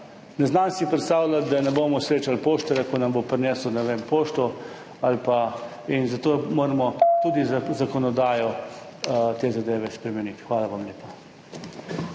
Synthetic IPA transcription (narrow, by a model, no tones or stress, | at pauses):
nɛznansipɾɛt̪st̪aːwlat̪d̪anɛboːmɔsɾeːt͡ʃalpoːʃt̪ɛɾakɔnambopɾnɛsɔnɛʋempoːʃt̪ɔ | alpa | inzat̪oːmoːɾmɔt̪uːd̪izakɔnɔd̪aːjɔ | t̪eːzad̪eːʋɛspɾɛmɛnit̪xʋaːlaʋamleːpa